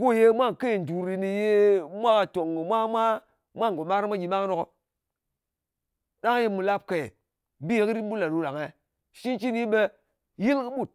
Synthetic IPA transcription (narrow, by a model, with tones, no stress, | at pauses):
ko˦˨je˦mʷa˦˨ŋke˦˨n˨du˨ɾi˨ni˨je˦mʷa˦ka˨to˨ŋi˨mʷa˦mʷa˦ | mʷa˦ŋ˨ɡo˨ma˦ɾi˦mʷa˦ɡi˨ma˦kno˨ko˨ | ɗa˦ŋ˦je˦mːu˨la˦p̚ke˨e˨ | bi˦e˦ki˦ɾi˦ɓu˦la˨ɾu˦ɾa˨ŋe˨ | ʃi˦nt͡ʃi˦ni˦ɓe˦ | ji˦lki˦ɓu˦˨t̚